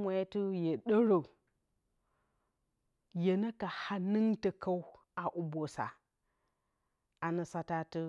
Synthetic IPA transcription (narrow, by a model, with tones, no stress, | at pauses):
mʷa˦tu˦je˨ɗo˦ɾo˨ | je˨na˦ka˨ha˦nɨ˦ŋtə˨ka˦u˦ | a˨ʔu˨bo˨sa̰˨ | a˨nə˨sa˦ta˦tə˦